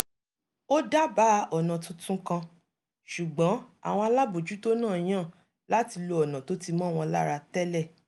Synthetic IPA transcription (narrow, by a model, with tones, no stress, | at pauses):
o˦da˦ba˦˧ʔɔ˨nã˨tũ˦tũ˦kã˧ | ʃu˨ɡ͡bɔ̃˨˦a̰˨w̃ɔ̃˧a˧la˦bo˨d͡ʒu˨˦to˦nãː˦˨˦ã˦˨ | la˦ti˧lo˧ɔ˨nã˨to˨˦ti˧mɔ̃˦˨w̃ɔ̃˧la̰˦˨ɾa˧tɛ˦lɛ˦˨